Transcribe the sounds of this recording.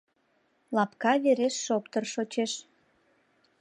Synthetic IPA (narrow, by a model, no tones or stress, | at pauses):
lɑpkɑβeɾeʃːopt̪ərʃot͡ɕeʃ